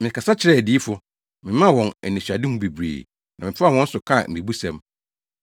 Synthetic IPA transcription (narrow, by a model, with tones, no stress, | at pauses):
mɪ̃˨kʰa˨sa˦t͡ɕʰɪ˨ɾɛ˦˨di˦i˦fʊ˨ | mɪ̃˨mã˦˨wɔ̃˨nɛ˨nĩ˨ɕᶣa˨dɪ˦m̩˦bi˨bɾḛː˨ | nã˨mɪ̃˨fa˦˨wɔ̃˦n̩˦sʊ˨kʰã˦˨m̩˨i˨bu˦sɛ̰̃˨m